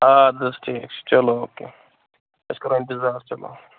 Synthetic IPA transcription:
aːd̪ɐsʈʰiːk̚t͡ʃʰt͡ʃɐlooːkḛ | ɐskɐɾoɪ̃nt̪ɪzaːɾt͡ʃɐlo̰

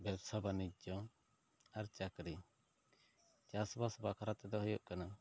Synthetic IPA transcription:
bɛbsɔbanid͡ʒɔ | aɾt͡ʃakɾi | t͡ʃasɔbasɔbakʰaɾat̪ɛd̪ɔɦɔjɔʔkana

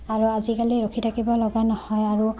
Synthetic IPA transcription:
aɹuazikaliɹokʰitʰakibɔlɔɡanɔhɔjaɹu

